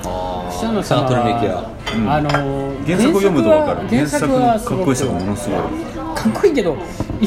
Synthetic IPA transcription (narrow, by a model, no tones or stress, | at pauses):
ɕanosaːt̪oɾɯɡekʲija̰ | ɯ̃ɴanoɡẽsakkɯojomɯd̪okaɾaɡẽsaksakɯaskaɡkoist̪emamo̞nosɨɡo̞̰ḭ | kʰakːoiːke̞d̪o